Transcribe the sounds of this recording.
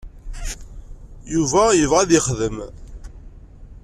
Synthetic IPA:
juvæjəvʁæðiχðəm

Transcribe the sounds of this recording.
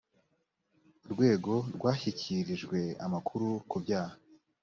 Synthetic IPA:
ɾɡwe̞ːɡo̞ɾɡwaːçicʰiɾiʒɡwe̞a̰makʰuɾukubjaːha

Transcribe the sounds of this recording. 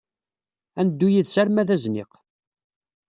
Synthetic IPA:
ænəd̪ːujiðsæɾmæðæznɪ̰q

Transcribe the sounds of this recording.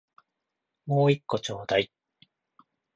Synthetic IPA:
mo̞ːikːo̞t͡ɕo̞ːd̪ai

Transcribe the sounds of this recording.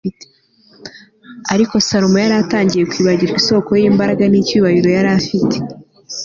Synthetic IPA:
e̥ | aɾiko̞saɾomojaɾataːɲɟije̞kwiːβaɟiɾiso̞ːko̞jiːmbaɾaɡanicuːβaɾiɾo̞jaɾafite̥

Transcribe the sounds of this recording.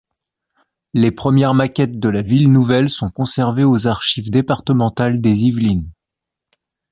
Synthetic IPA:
lepχəmjɛʁmakʲɛt̪̚d̪əlavilnuvɛlsɔ̃kɔ̃sɛʁveozaʁʃivd̪epaʁt̪əmɑ̃t̪ald̪ezivlin

